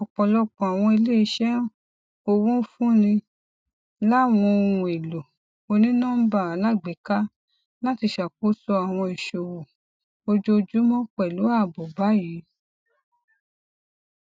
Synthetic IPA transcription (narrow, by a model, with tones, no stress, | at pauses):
ɔ˨k͡pɔ̃˨lɔ˧˦k͡pɔ̃˨a˨w̃ɔ̃˧e˧le˦i˧˦ʃɛ˦ | o˧wũ˦fũ˦nĩ˧ | la˦˨w̃ɔ̃˧ũ˧˨e˨lo˨ | o˧nĩ˦nãː˦ba˦˨a˨la˦˨ɡ͡be˨˦ka˦ | la˦ti˧ʃa˨ko˦sɔ˧a˨w̃ɔ̃˧i˨ʃo˨wu˨ | o˧d͡ʒo˧d͡ʒu˦mɔ̃˦k͡pɛ˨lu˨˦a˦˨bɔ˨ba˨˦jiː˨˦